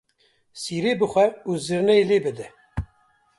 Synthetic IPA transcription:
siːɾeːbɨxʷɛuziɾnɛeleːbɨd̪ɨ

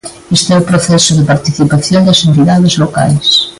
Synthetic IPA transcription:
est̪ɛupɾoθɛsʊðepaɾt̪iθipaθjõnd̪ɐsẽnt̪iðaðezloka̰js

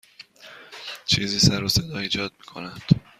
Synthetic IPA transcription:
t͡ʃʰiːziːsæɾose̞d̪ɒːiːd͡ʒɒːd̪̚miːkʰonæd̪̥

